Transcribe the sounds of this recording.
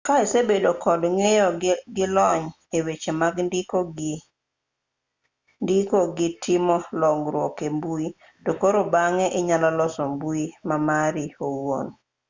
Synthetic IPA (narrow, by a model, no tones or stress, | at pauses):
kaesebedokʰɔlŋejɔɡɪlɔɲ | ewet͡ʃemaɡndikoɡ | ndikoɡɪtʰɪmɔlɔŋɡɾwɔkembui | tokoɾobaŋɛʔɪɲalalɔsɔmbuimamaɾiowo̰n